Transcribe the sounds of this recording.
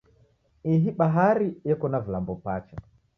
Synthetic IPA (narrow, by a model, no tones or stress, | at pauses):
iɦiɓaɦaɾiɛkɔnavilambɔpat͡ʃa